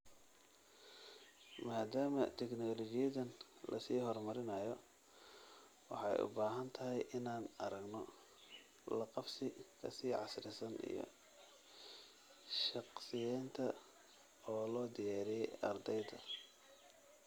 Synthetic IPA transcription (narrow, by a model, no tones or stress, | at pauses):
maːd̪aːmɐt̪ʰɛknɔːlɔɡɪjɐðɐnlʔɐ̰siːɦɔrmɐɾɪnɐjɔ | wɑħɑjʔʊ̰baːɦɐnt̪ʰɐɦɛjʔɪnaːnɐɾɐɡnɔ | lɑqɑfsɪkʰɐsiːʕɑsɾɪsɐnḭjɔ̰ | ʃɑqsɪjɛːnt̪ʰɐ | ɔːlɔːd̪ɪjaːɾɪjɛjɐrd̪ɛjd̪ɐ